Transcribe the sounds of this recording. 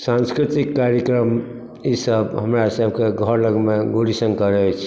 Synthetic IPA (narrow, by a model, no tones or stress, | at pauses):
sãnskɾit̪ikːaɾjəkɾəm | isəbɦəmɾasəbʱkeɡʱəɾləɡmeɡoɽisənkəɾɛɦot͡ʃʰ